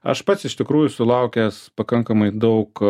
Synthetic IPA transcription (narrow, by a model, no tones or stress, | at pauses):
ɐ̰ʃpɐt̪sɪʃt̪ʲɪkɾuːjʊsʊlˠɐʊkʲɛːspɐkɐŋkɐmɐɪd̪ɐʊk